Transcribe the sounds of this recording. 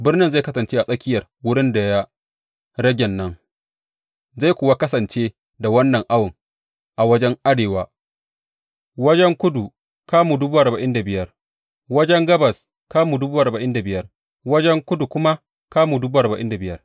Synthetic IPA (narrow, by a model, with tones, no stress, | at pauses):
bɪ˦rnɪ˦nza˦˨kɐ˦sɐ˨nt͡ʃeː˦ʔa˨sʼɐ˦kʲɪ˦jɐ˨rwʊ˦ɽɪ˦nda˨ja˦ | ɽɐ˦ɡʲɛ˨nːɐ˦ŋ | za˦˨jkʷoː˨wa˦kɐ˦sɐ˨nt͡ʃeː˦ | da˨wɐ˦nːɐ˨ŋʔa˦wʊ˨ŋ | ʔa˨wɐ˦d͡ʒɛ˦ŋʔa˦ɽeː˨waː˦ | wɐ˦d͡ʒɛ˦ŋkʷʊ˦du˨ | kaː˦muː˨dʊ˦buː˦ʔa˨ɾba˨ʔɪ˦nda˨bɪ˨jɐ˦r | wɐ˦d͡ʒɛ˦ŋɡɐ˦bɐ˨s | kaː˦muː˨dʊ˦buː˦ʔa˨ɾbɐ˨ʔɪ˦nda˨bɪ˨jɐ˦r | wɐ˦d͡ʒɛ˦ŋkʷʊ˦du˨kʷʊ˦ma˦ | kaː˦muː˨dʊ˦buː˦ʔa˨ɾba˨ʔɪ̰˦nda˨bɪ˦jɐ˦r